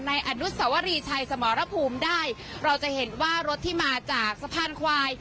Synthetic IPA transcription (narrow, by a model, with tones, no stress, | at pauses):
na˧jʔa˧nu˦˥t̪̚sa˩˦wa˦˧ɾiː˧t͡ɕʰa˧jsa˩˦mɔː˩˨˦ɾa˦˥pʰuː˧mdaː˥˩j | ɾa˧wt͡ɕa˨˩he˩˦nwaː˥˩ɾo˦˥t̪ʰːiː˥˩maː˧t͡ɕaː˨˩k̚sa˧˥pʰaː˧˩nkʰwaː˧j